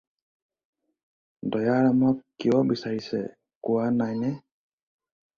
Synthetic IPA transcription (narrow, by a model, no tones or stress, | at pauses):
dɔjaɾamakiɔbisaɾisɛ̰ | kuananɛ